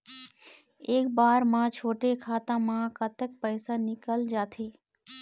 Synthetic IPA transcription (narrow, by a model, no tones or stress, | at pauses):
eːkbaːɾmãːt͡ʃʰoːʈekʰaːt̪ãmãːkət̪ək̚pəɪsanɪkəld͡ʒaːt̪ʰeː